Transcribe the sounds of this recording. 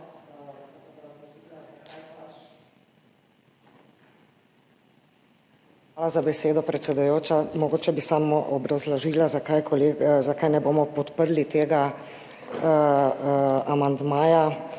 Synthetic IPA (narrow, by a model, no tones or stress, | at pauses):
xʋaːlazabɛseːd̪ɔpɾɛt̪sɛd̪ujoːt͡ʃamɔɡoːt͡ʃɛbisamɔʔɔbɾazlɔʒilazakajkʰɔleːɡzakajnɛboːmɔpɔt̪pəɾlit̪eːɡa | amand̪maːja